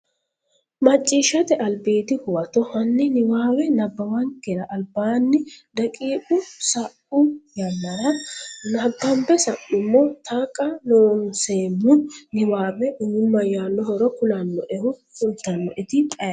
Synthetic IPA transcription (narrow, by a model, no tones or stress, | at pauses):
mɐt͡ʃʼːiːʃːɐt̪ɛʔɐlbeːt̪ɪhʊwɐt̪ɔhɐnːɪnɪwaːwɛnɐbːɐwɐŋkːɛɾɐʔɐlbaːnːɪd̪ɐkʼiːpʊsɐʔʊjɐmːɐɾɐnɐbːɐmbɛsɐʔːʊmːɔt̪ʰaːkʼːɐnoːnseːmːʊnɪwaːwɛʔʊnʊmːɐjaːnːɔhɔɾɔkʊlɐnːɔʔɛwʊ | ʊlt̪ːɐnːɔʔɪd̪ɪt̪ʼɐj